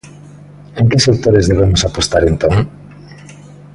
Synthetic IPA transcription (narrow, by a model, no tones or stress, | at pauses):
eŋkɪsek̚t̪oɾezðeβ̞emosapost̪aɾent̪õŋ